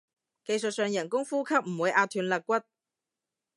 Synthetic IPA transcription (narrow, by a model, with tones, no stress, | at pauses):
ke˧jsɵ˨t̚sœː˨˧ŋjɐ˨˩nkʊ˥ŋfuː˥kʰɐ˥p̚m̩˨˩wuː˨˧jʔaː˧t̪ʰyː˨˧nlɐ˨˧kʷɐ˥t̚